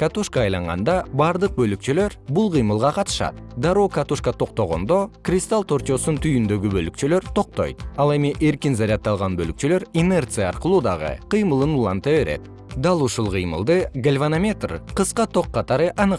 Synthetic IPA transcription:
kat̪uʃkɑːjlˠɑɴʁɑ̰nd̪ɑbɑɾd̪əq̚bølyk̚t͡ʃylø̞ɾbulˠʁəjmɯlˠʁɑqɑt̪ə̥ʃɑ̰t̪d̪ɑɾokat̪uʃkɑt̪ʰo̞q̚t̪o̞ʁo̞̰nd̪o̞krʲist̪alˠt̪ʰo̞ɾt͡ʃo̞sunt̪ʰyjynd̪ø̞ɡʲibølyk̚t͡ʃylø̞ɾt̪ʰo̞q̚t̪o̞̰jt̪ɑlˠe̞miʔe̞ɾkʲinzaɾʲɑt̪ːɑlˠʁɑnbølyk̚t͡ʃyløɾine̞rt̪sɨjɑɑɾqəlˠuːd̪ɑʁɯ̰qʰəjməlˠɯnulˠɑnt̪ɑβe̞ɾe̞̰t̪ | d̪ɑlˠuʃulˠqʰəjmə̰lˠd̪ɯɡalʲvanamʲe̞t̪rqəsqɑt̪ʰo̞qːɑt̪ɑɾɯʔɑnɨ

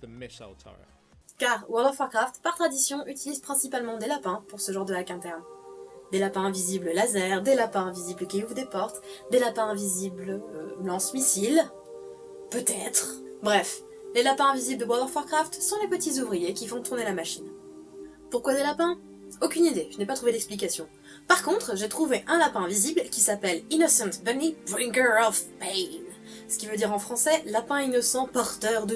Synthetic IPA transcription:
kaʁwaʁd̪ɛʁfɔʁkχaft̪paʁt̪χad̪isjɔ̃ʔyt̪ilizpχɛ̃sipalmɑ̃d̪elapɛ̃puʁsəʒɑ̃ʁd̪əlakɛ̃t̪ɛʁmd̪elapɛ̃vizibləlazɛʁd̪elapɛ̃vizibləkʲiuvd̪epɔʁt̪d̪elapɛ̃ɛ̃vizibløblɑ̃smisil | pøt̪ɛt̪χ | bʁɛf | lelapɛ̃ɛ̃vizibld̪əbwaɔʁfɔʁkχaft̪sɔ̃lepət̪izuvʁijekʲifɔ̃t̪uʁnelamaʃin | puʁkwad̪elapɛ̃ | okʲynid̪eʒənɛpat̪χuved̪ɛksplik̬asjɔ̃ | paʁkɔ̃t̪χʒet̪χuveʔɛ̃lapɛ̃viziblkʲisapɛlinɔsɑ̃t̪bɛnikbʁĩŋkəɔfpejn | sə̥kʲivød̪iʁɑ̃fχɑ̃sɛlapɛ̃inɔsɑ̃pɔʁt̪œʁd̪ə

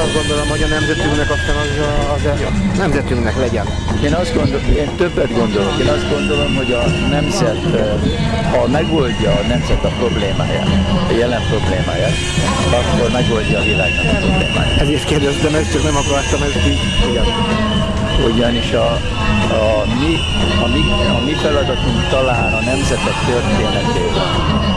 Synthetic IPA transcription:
ɒzd̪ɡo̞nd̪olomho̞ɟɒnɛmzɛt̪yŋɡnɛkɒst̪anɒz | zɛjnnɛmzɛt̪yŋɡnɛklɛɟɛn | eːnɒzd̪ɡo̞nd̪oeːnt̪ø̞bːɛd̪ɡo̞nd̪o̞lo̞keːnɒzd̪ɡo̞nd̪o̞lo̞mɦo̞ɟɒnɛmzɛt̪ | hɒmɛɡolɟːɒːnɛmzɛt̪ɒpro̞bleːma̰ːja̰ːt̪jɛlɛmpro̞bleːma̰ːjaːt̪ | ɒkːo̞rmɛɡo̞lɟɒːvila̰ːɡmɒnipɾro̞blḛːma̰ːja̰ːt̪ɛzeʃt̪keːrd̪ɛst̪ɛmɛkt͡ʃɛknɛmɒkɒrt̪ɒmɛsk̪i | iɡɛn | oɟɒniʃɒ | mi | ɒmi | ɒmifɛlɒd̪ɒt̪uŋkt̪ɒlaːnɒnɛmzɛt̪ɛkt̪øreːnɛkeːvɔ̰n

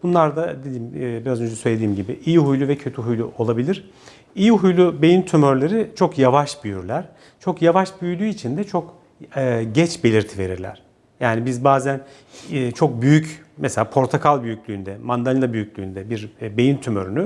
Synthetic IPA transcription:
b̥unlˠaɾd̪ad̪ed̪iːmːbiɾazø̞nd͡ʒɛsø̞jlʲed̪iːmɟibiʔijiɦujlʲˠuvɛcʰø̞t̪ʰyɦujlʲˠuʔo̞lˠabilʲiɾ̥ | ijiɦujlʲˠube̞jint̪ʰymøɾlʲeɾɪt͡ʃʰo̞kjavaʃbyjyɾlʲæɾ̥ | t͡ʃʰo̞kjavaʃbyjylʲyːit͡ʃʰind̪ɛt͡ʃʰo̞kː | ɟɛt͡ʃbe̞lʲiɾt̪ʰive̞ɾiɾlʲæ̰ɾ̥ | jaːnibizbaːzænː | t͡ʃʰo̞k̚byjyc | mɛselʲaːpʰo̞ɾt̪ʰakʰalˠbyjycʲlʲyːnd̪ɛmand̪alʲlˠabyjycʲlʲyːnd̪ɛbiɾbe̞jint̪ʰymøɾyny

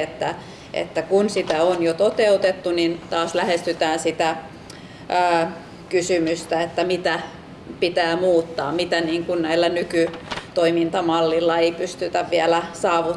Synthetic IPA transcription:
et̪ːæ | ʔḛt̪ːækunsit̪æonjot̪ot̪eut̪et̪ːunint̪ɑːslæhest̪yt̪æːnsit̪æ | əː | kysymyst̪æet̪ːæmit̪æ | pit̪æːmuːt̪ːɑːmit̪æniːŋkunnæilːænykyt̪oimint̪ɑmɑlːilːɑeipyst̪yt̪æʋʋiælæsɑːʋu

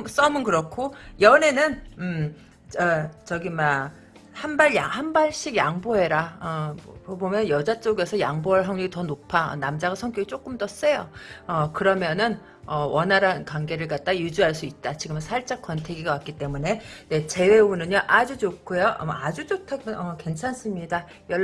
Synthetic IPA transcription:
s͈ʌmɯnkɯɾʌkʰojʌne̞nɯn | ʌt͡ɕʌɡima | hanbaɭjahambaɭɕ͈iɡjaŋboɦe̞ɾaʌobomjʌnjʌd͡ʑat͡ɕ͈oɡesʰʌjaŋboaɭɦʌŋɲiɡitʌnopʰaʌ̰namd͡ʑaɡasʰʌŋkjʌɡit͡ɕ͈ok͈ɯmdʌs͈e̞jo̰ʌkɯɾʌmjʌnɯn | ʌwʌnɦaɾankaŋɡe̞ɾɯɭkat̚t͈ajud͡ʑuɦaɭs̬͈uit̚t͈at͡ɕiɡɯmnsʰaɭt͡ɕ͈ak͈wʌntʰe̞ɡiɡawak͈it͈e̞mune̞ne̞t͡ɕe̞we̞unɯɲʌʔad͡ʑud͡ʑokʰojoʌ̰mad͡ʑud͡ʑotʰaʌke̞nt͡ɕʰans͈ɯmɲida | jʌ

